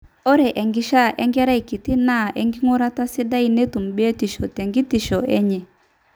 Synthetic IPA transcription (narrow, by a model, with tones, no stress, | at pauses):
ɔ˦ɾɛ˨ʔɛ˨ŋɡi˦ʃa˦ʔɛ˦ŋɡɛ˦ɾa˦i˨ki˨ti˦na˦˨ʔɛ˦ŋɡi˦ŋu˦ɾa˦ta˦si˦da˦i˨nɛ˦tu˨m̩˨bi˦ɛ˦ti˨ʃɔ˨tɛ˨ŋɡi˦ti˨ʃɔ˨ɛ̰˦ɲɛ˨